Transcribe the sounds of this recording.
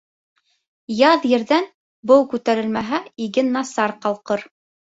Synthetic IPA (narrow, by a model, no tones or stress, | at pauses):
jɑðjɘ̆ɾðæn | bɤwkʉt̪æɾɘ̆lmæɦæiɡɘnɑsɑɾqɑlˠqɤɾ